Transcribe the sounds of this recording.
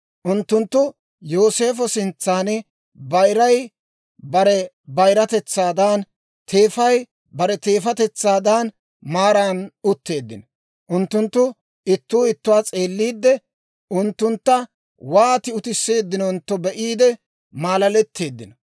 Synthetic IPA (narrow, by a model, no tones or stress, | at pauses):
ʔʊnt̪ːʊnt̪ːʊ | jo̞ːse̞ːfɔsɪnt͡sːaːn | bɐjɾɐj | bɐɾɛ | bɐjɾɐt̪ɛt͡sːaːd̪aːn | t̪ʰe̞ːfɐj | bɐɾɛt̪e̞ːfɐt̪ɛt͡sːaːd̪aːn | maːɾaːnʊt̪ːe̞ːd̪ːɪnɔ | ʔʊnt̪ːʊnt̪ːʊ | ɪt̪ːuːɪt̪ːʊwaːt͡sʼe̞ːlːiːd̪ːɛ | ʔʊnt̪ːʊnt̪ːɐ | waːt̪ɪʊt̪ɪsːe̞ːd̪ːɪnɔʊnt̪ːɔbɛʔiːd̪ɛ | maːlɐlɛt̪ʰːe̞ːd̪ːɪnɔ